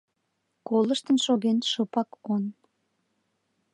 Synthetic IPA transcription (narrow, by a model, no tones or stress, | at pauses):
koləʃt̪ənʃoɣenʃopɑkon